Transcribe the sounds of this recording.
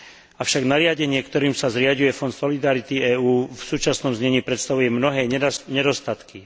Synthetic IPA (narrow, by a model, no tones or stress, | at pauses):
afʃaɡnaɾɪaɟɛɲɪɛkt̪ɔɾiːmsazɾɪaɟujɛfɔnd̪sɔlid̪aɾit̪iɛːuːfsuːt͡ʃasnɔmzɲɛɲiːpɾɛt̪st̪aʋujɛmnɔɦɛːɲɛd̪ɔst̪at̪ki